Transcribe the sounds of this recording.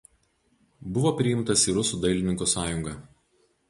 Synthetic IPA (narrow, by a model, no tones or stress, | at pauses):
bʊʋoːpʲɾʲɪjɪmt̪ɐsiˑɾʊsuːd̪ɐɪlʲɪnʲɪŋkoːsɑːjʊŋɡɑ